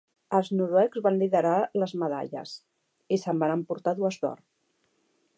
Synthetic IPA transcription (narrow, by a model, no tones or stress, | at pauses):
əlˠznuɾwɛkzβanliðəɾaləzməða̰ʎə̰s | isəmbanəmpuɾt̪aðuəzðɔ̰r